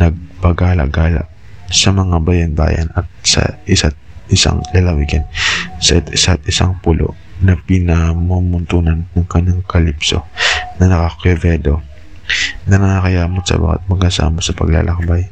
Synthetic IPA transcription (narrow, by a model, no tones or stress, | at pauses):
nɐɡ̚pɐɡaːlɐ̰ɡaːlɐ̰ | sɐmɐŋabɐjɐnba̰ːjɐ̰nɐt̪̚sɐ̰ʔɪsat̪̚ʔɪsa̰ŋlɐlɐwiɡɐnsɐʔɪt̪ɪsat̪̚ɪsa̰ŋpʊlʔo̰ʔ | nɐpinɐmomʊnt̪uːnɐnːɐŋkɐɲːaŋkɐlipso̞̰nɐnɐkɐkɛvɛd̪o̞ | nɐnɐkakɐjaːmot̪sɐ̰ba̰ka̰t̪̚mɐɡasa̰ːmosɐpɐ̰ɡla̰lʔɐk̚baj